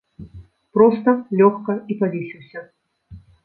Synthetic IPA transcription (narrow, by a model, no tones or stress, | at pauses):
pɾɔst̪ɐlʲɔxkɐipalʲiʂiwsʲɐ